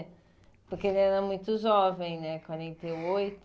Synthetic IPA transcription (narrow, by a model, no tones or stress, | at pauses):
pʊɾkelɛɾɐmũj̃t̪ʊʒɔvẽj̃nɛkwaɾẽnt̪ejojt̪